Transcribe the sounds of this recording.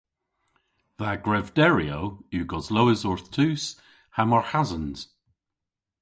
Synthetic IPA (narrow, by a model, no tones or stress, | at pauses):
ðaɡɹɛvdɛɹiowuːɡɔzlowɪzɔɹθtʰʉːs | hamɔɹhazənz̥